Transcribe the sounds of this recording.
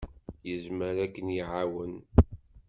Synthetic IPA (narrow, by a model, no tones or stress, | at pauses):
jəzməɾækːənjiʕawən